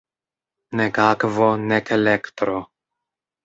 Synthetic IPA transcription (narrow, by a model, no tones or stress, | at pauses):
nekakvonɛkelɛkt̪ɾo